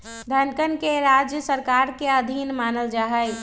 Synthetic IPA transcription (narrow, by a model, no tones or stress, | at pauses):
d̪ʱənkənkeɾad͡ʒjəsəɾkaːɾkeəd̪ʱinmaːnəld͡ʒaːɦəj